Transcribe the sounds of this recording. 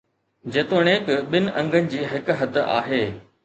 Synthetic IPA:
d͡ʑeːt̪oːɽ̃eːkɓɪnɪ̆ʔɐ̃ŋɡʱənɪ̆d͡ʑiːɦɪkɦɐd̪ʱa̰ːɦeː

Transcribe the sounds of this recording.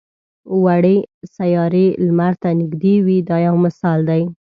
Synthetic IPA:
waɽesajɑɾelmaɾt̪anɪɡd̪ewid̪ɑjawmɪsɑld̪aj

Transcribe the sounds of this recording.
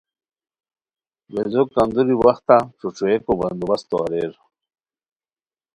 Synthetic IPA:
wezokand̪uɾiwaxt̪aʈ͡ʂuʈ͡ʂuekoband̪ubast̪oaɾeɾ

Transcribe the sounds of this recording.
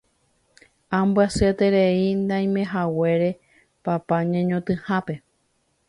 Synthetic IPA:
ãmbɨaset̪e̞ɾe̞ind̪ãj̃mẽɦawe̞ɾe̞ | papaɲẽɲõt̪ɨ̃hãpe̞

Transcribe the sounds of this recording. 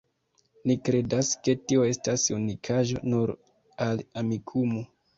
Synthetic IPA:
nikɾe̞daske̞tio̞e̞stasunikʰaʒo̞̰nuɾ | alamikʰumo

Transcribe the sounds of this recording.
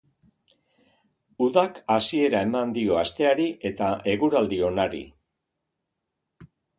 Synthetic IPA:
uðakasie̞ɾae̞mand̪io̞ast̪e̞aɾiʔe̞t̪aʔe̞ɣuɾald̪io̞naɾḭ

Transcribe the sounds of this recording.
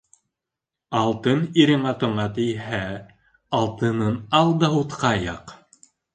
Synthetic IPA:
ɑlˠt̪ɤniɾɘ̆ɴɑt̪ŏɴɑt̪ɘ̆jhæ | ɑlˠt̪ɤ̆nɤnɑlˠd̪ɑut̪qɑjɑq

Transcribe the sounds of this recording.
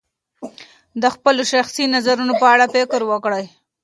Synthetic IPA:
d̪əxpəloʃaxsinazaɾunopəaɽapɪkɾwəkɽəj

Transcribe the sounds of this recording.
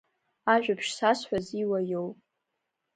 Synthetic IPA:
aʒᶣapʰʃsasħʷᶣaziwajowpʼ

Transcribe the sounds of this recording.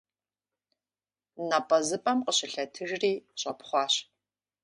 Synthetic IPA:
napʼɐzɨpʼɐmqəɕɪɬɐtʰɨʒriːɕʷʼɐpʰχʷɑːɕ

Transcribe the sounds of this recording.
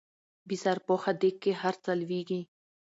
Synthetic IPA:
bisaɾpoːxad̪ekːeɦɐɾt͡sɐlʋiːɡĩ

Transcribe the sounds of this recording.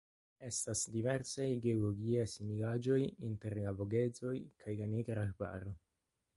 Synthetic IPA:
estasdiveɾsajɡeoloɡiajsiniɡad͡ʒo̞jinte̞ɾlaboɡe̞zo̞jkʰajlaneɡɾaba̰ɾo

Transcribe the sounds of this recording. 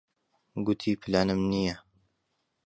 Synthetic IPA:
ɡʊt̪ʰiːpʰlaːnəmnija

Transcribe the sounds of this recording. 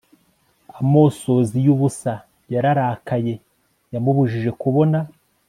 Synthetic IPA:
amo̞ːso̞zijuβusa | jaɾaɾaːkaje̞ | jamuβuʒiʒe̞kuβo̞na

